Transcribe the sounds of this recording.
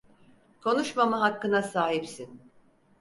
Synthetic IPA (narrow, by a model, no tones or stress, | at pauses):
kʰo̞nuʃmamaɦakːɯnasaːɦipsin